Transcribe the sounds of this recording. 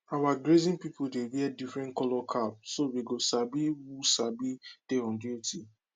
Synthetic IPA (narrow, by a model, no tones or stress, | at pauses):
awaɡɾezĩnpipʊdeviadifɾɛ̃nkɔlɔkʰapsodeɡosabiwusabid̥eɔ̃ndiotʰi